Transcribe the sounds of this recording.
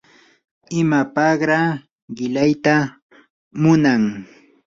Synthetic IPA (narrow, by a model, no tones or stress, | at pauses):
ɪmapɑɢɾa | ɢɪlajt̪a | mʊnaŋ